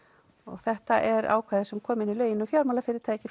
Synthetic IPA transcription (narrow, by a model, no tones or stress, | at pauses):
ɔ̰ɣθɛht̪aʔɛɾa̰ːwkʰvaːðɪsɛmkʰɔːmɪnilœːɥjɪnɔfjawɾmalafɪɾɪɾ̥t̪ʰajɛcːɪ